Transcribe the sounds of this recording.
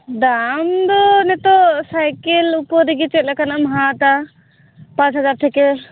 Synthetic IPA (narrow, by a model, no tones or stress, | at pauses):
d̪amd̪ɔnɛt̪ɔsajkelupɔɾiɡit͡ʃɛt̪̚lakanamɦat̪a | pãt͡ʃʰɦad͡ʒaɾʈʰɛkɛl